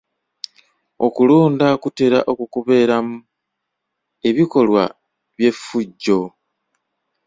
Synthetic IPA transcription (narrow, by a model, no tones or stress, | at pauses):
okuluːndakute̞ɾaʔo̞kukuβe̞ːɾamu | e̞βiko̞lwa̰ | βje̞fuɟːo̞